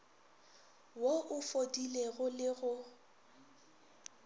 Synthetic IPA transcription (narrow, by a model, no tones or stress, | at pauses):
woʔʊfodileɣʊlɪɣʊ